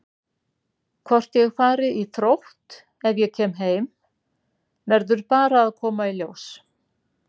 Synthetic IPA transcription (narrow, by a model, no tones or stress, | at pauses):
kʰvɔr̥t̪jɛɣfaːɾɪiθɾowht̪ | ɛvjɛcʰɛːmɦeːjm | vɛɾðʏɾpaːɾaːðkʰɔːmailjoːws